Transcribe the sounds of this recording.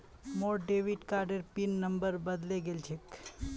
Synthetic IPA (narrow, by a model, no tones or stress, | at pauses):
moɾɖeʋiɖkaɾɖeɾpinːəmbəɾbəd̪leɡelt͡ʃʰek